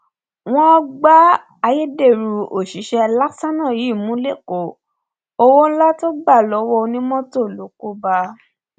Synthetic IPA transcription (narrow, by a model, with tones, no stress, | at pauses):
w̃ɔ̃˦ɡ͡ba˦ | a˧je˦de˦˨ɾu˧o˨ʃi˨˦ʃɛ˧la˦ksa˦nã˦˨ji˨˦˨mũ˨˦le˦˨ko˨ | o˧wo˦la˦to˦ɡ͡ba˦˨lɔ˨˦wɔ˧nĩ˦mɔ̃˦to˦˨lo˨˦ko˦ba˧